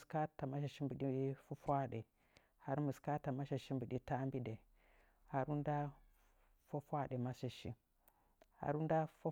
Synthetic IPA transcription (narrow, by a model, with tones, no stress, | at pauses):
ska˦ta˨ma˦ʃa˨ʃi˦mbu˨ɗi˦fu˦fʷa˦ɗe˨ | ha˦ɾmə˨ska˦ta˨ma˦ʃa˨ʃi˦mbu˨di˦ta˦mbi˦de˨ | ha˦ɾu˦nda˦ | fa˦fa˦ɗe˨ma˦sa˨ʃḭ˦ | ha̰˦ɾu˦nda˦fa˦